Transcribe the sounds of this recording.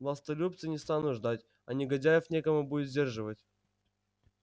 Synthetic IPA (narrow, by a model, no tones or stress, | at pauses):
vɐst̪ɐlʲup̚t̪sɨnʲɪst̪anʊʐd̪atʲ | ɐnʲɪɡɐdʲajɪfnʲekəmʊbudʲɪt̪zʲdʲerʐɨvətʲ